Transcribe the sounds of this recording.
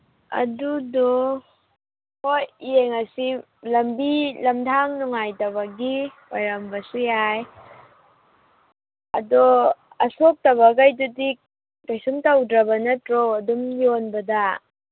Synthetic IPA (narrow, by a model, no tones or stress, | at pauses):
ɐ̰dudɔ | hojeŋɐsi | lɐmbilɐmdʰaŋnuŋajtɐβɐɡiwajɾɐmbɐsujaj | ɐ̰dɔ | ɐsok̚tɐβɐɡajdudi | kajsumtawdɾɐbɐnɐtɾɔɐdumjonbɐda